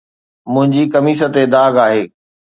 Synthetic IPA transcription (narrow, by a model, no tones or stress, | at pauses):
mʊ̃ɦɪ̃ɲd͡ʑikɐmiːs̬ət̪ed̪aːɡaːɦeː